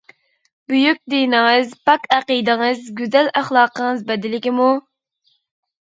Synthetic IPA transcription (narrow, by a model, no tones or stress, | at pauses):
byjykʲd̪ijnɨŋɨzpɑkæqijd̪ɨŋɨzɡʲyzælæχlˠɑːqəŋɨzbɛd̪ɪlɪkʲimu